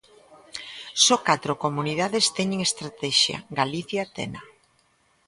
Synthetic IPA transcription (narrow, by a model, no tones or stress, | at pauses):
sɔkat̪ɾokomuniðaðest̪ɛɲeŋest̪ɾat̪ɛʃja̰ɡaliθjat̪ɛ̰na